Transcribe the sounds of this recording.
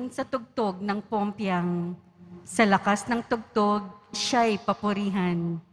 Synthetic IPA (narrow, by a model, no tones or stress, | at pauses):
ŋsɐt̪ʊɡ̚t̪oɡ̚nɐŋpompjɐŋ | sɐlɐkasnɐŋt̪ʊɡ̚t̪oɡ̚ʃaɐjpɐpʊɾiːɦɐn